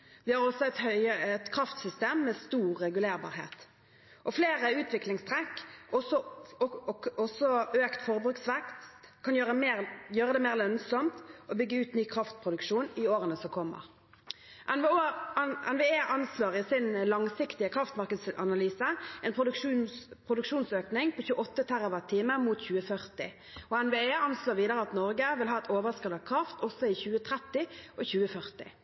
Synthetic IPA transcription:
ʋɪhɑʁɔsɔɛt̪œəɛt̪kʰɾɑft̪sʏst̪eːmːɛst̪uːʁːɛɡʉleːɾbɑ̰ːɾhḛːt̪ | ʔɔfleːɾəʉːt̪ʰʋɪklɪŋst̪ʰɾɛkːɔsɔ | ɔsɔøːkt̪fɔʁəbɾʉːksʋɛkst̪kʰːɑnjøːɾəɛmeːʁjøːɾəd̪ɛmeːʁlœnsɔmt̪ɔbʏɡːəʉːt̪nyːkʰɾɑft̪̚pʰɾʊd̪ʉkʂuːnɪoːɾənəsɔkʰɔmːə̰ʁ | ʔɛn | ɛ̰nʋeeːʔɑnslɑːʁɪsɪnlɑŋsɪkt̪ɪəkʰʁɑft̪mɑʁkəd̪sɑ̰nɑlyːsəɛːnp̪ː | pʰʁʊd̪ʉkʂuːnsøːknɪŋpʰoːçʉːəʔɔt̪ːət̪ʰæʁəʋɑt̪ʰːiːməmuːt̪çʉːəfœʁt̪ɪ̰ | ɔɛnʋeːeːɑnsloːʁʋiːd̪əʁəɑt̪nɔɾɡəʋɪlɦɑːɛt̪ʰoːʋəskəlɑkʰʁɑft̪ʰɔsːɔɪçʉːət̪ʰɾɛt̪ːɪɔçʉːəfœʁt̪ɪ̰

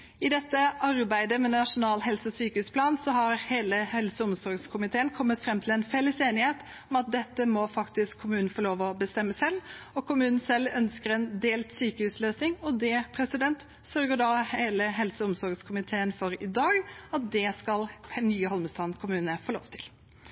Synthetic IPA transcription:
ɪd̪ɛt̪ːəɑɾbæɪd̪əmɛnɑʂʊnɑːlɦɛlsəɔsyːkəhʉːspʰlɑːnsɔhɑɾheːləhɛlsəʊmsɔɾɡskʰʊmɪt̪ʰeːənkʰɔmːət̪fɾɛmːt̪ʰɪlɛnfɛlːəseːnɪheːt̪ | ɔmɑt̪̚d̪ɛt̪ːəmɔfɑkt̪ɪskʰːʊmʉːnn̩foːloːʋɔbəst̪ɛmːəsɛlːɔkʰʊmʉːnn̩sɛlːœnskəɾɛnd̪eːlt̪syːkəhʉːsløːsnɪŋɔd̪ɛpʰɾɛsɪd̪ɛnt̪ | sœɾɡəɖɑeːləɦɛlsəʊmsɔɾɡskʰʊmɪt̪ʰeːənfɔɾɪd̪ɑːɡɑt̪̚d̪ɛskɑlnyːəhɔlməst̪ɑːnkʰʊmʉːnəfoːlo̰ːʋt̪ʰɪ̥l

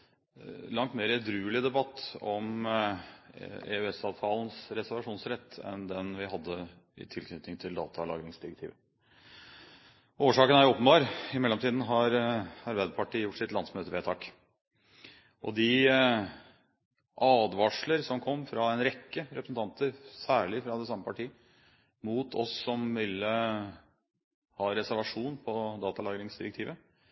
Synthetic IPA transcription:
lɑŋt̪meːɾəd̪ɾʉːəlɪd̪ɛbɑt̪ːɔm | ɛ̰ʉɛsɑːʋt̪ʰɑːlnsɾɛsəɾʋɑʂuːnsɾɛt̪ʰːɛ̰nd̪ɛnʋɪɦɑd̪ːə | ɪ̰t̪ʰɪlkʰnʏt̪nɪŋt̪ʰɪld̪ɑ̰ːt̪ʰɑlɑ̰ːɡɾɪŋsd̪ɪɾɛk̚t̪ʰiːʋə | ʔoːʂɑːkənæɾoːpənbɑːɾɪmɛlːɔmt̪iːd̪n̩ɦɑɾɑɾbæɪd̪əpʰɑʈiːəjʊʈːʂɪt̪lɑnd̪smøːt̪əʋeːt̪ʰɑːk | ʔɔ̰d̪ɪ | ʔɑːd̪ʋɑʂləɾsɔmkʰɔmːfɾɑɛnɾɛkːəɾɛpɾəsn̩t̪ɑnt̪əɾsæːɭɪfɾɑd̪ɛsɑmːəpʰɑʈʰiː | muːt̪ʰɔ̰sːɔmʋɪlːə | hɑːɾɛsæɾʋɑʂuːnpʰɔd̪ɑːt̪ɑlɑːɡɾɪŋsd̪ɪɾɛk̚t̪ʰiːʋə

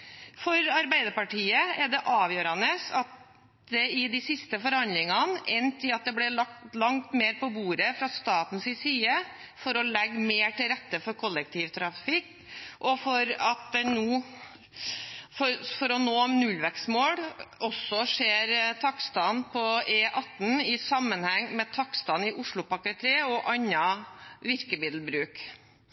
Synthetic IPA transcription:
fɔɾɑɾbæɪd̪əɾpɑʈiːəɛɖɛʔɑːʋjøːɾɑnəsɑt̪̚ | d̪ɛɪd̪ɪsɪst̪əfɔɾhɑnd̪lɪŋɑnɛnt̪ʰɪɑt̪̚d̪ɛblɛlɑk̚t̪lɑŋt̪meːɾpɔbuːɾəfɾɑst̪ɑːt̪n̩sɪsiːə | fɔɾɔlɛɡːmeːʈɪlɾɛt̪ːəfɔɾkʰɔlːək̚t̪ʰiːʋt̪ʰɾɑfɪkː | ʔɔfɔɾɑt̪̚d̪ɛnuː | fɔɾfɔɾɔnoːmnʉlʋɛksmoːɽɔsːɔʂeːɾt̪ʰɑkst̪ɑnpʰɔeːʔɑt̪ːnɪsɑmːənhɛŋːmɛt̪ʰɑkst̪ɑnɪʔʊʂɭʊpɑkət̪ʰeːəɔʔɑnːɑʋɪɾkəmɪːd̪lbɾʉːk

